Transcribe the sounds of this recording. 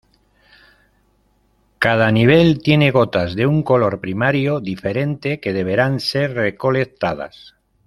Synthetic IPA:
kað̞aniβ̞e̞lt̪je̞ne̞ɣ̞o̞t̪azðeuŋko̞lo̞ɾpɾimaɾjo̞ðife̞ɾe̞nt̪e̞ke̞ð̞e̞β̞e̞ɾanse̞ɾreko̞le̞kt̪að̞a̰s

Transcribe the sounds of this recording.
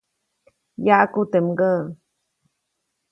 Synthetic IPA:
jaʔkut̪emɡə

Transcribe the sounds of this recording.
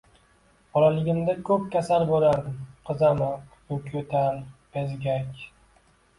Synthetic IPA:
bɒlalɪɡʲɪmd̪akʰɵp̚kʲasalbolaɾd̪ɪmqʰɨzamɨq̪ | ʊkʲʰot̪ʰanpezɡʲakʲ

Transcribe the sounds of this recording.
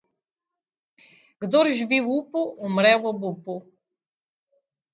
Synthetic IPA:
ɡ̥d̪oɾʒbiwupuumɾɛwɔbupu

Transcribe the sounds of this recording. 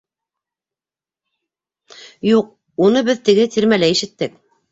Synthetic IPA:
juq̚ | unɤbɘðt̪ɘ̆ɡɘt̪iɾmælæiʃɘ̆t̪ːɘk̚

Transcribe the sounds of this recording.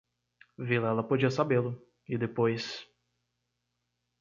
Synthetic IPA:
vilɛlɐpod͡ʒiɐsabelʊ | ɪd̪epojs

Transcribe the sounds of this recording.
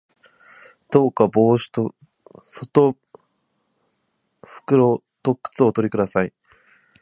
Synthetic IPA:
d̪̥o̞ːkaboːɕi̥t̪o | sot̪o | ɸɯ̟̥kɯ̟ɾo̞ | t̪o̞kɯ̥t͡sɨo̞t̪o̞ɾʲikɯ̟d̪asai

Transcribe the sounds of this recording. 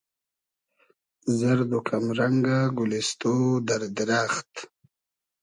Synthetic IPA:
zəɾd̪ukʰamɾaŋɡaɡulist̪od̪aɾd̪ɪɾaːxt̪

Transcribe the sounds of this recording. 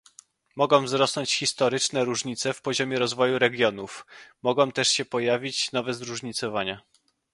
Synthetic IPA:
mɔɡɔ̃w̃vzɾɔsnɔɲt͡ɕxʲist̪ɔɾɘt͡ʂnɛɾuʐɲit̪sɛfpɔʑɔmʲjɛɾɔzvɔjuɾɛɡʲjɔnufmɔɡɔ̃w̃t̪ɛʂɕɛpɔjavʲit͡ɕn̪ɔvɛzɾuʐɲit̪sɔvaɲa

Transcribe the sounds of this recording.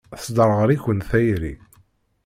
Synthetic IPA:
θsd̪əɾˤʁəɾiçənθæjɾḭ

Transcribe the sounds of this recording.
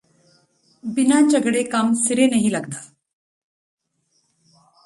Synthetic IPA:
binat͡ɕəɡɽekamsiɾenəɦilaɡt̪a

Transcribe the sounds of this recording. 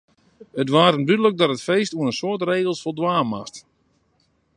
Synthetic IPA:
ətʋaːɾəndydələk̚dɔtətfejstuənənsoətreːɣəlˠsfɔlˠdʋaːmast

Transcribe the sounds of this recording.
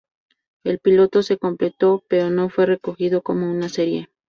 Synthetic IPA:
e̞lpilo̞t̪o̞se̞ko̞mple̞t̪o̞pe̞ɾo̞no̞fwe̞re̞ko̞xið̞o̞ko̞mounase̞ɾje̞

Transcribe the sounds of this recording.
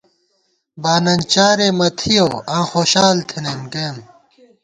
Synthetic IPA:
baːnɐnt͡ɕaːɾemɐt̪ʰijoːãːxoːɕaːlt̪ʰenenkeːm

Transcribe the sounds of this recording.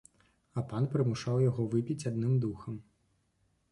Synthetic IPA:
ɐpanpɾɨmuʂawjaɣɔvɨpʲit͡sʲad̪nɨmd̪uxɐm

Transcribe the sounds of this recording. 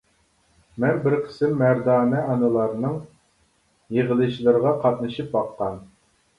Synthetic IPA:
mɛnbɪɾqʰə̥sɪmːæɾd̪ɑːnɛɑnɨlˠɑɾnɨŋ | jeʁəlˠɨʃlˠɨɾʁɑqʰɑt̪̚nɨʃip̚bɑqːɑn

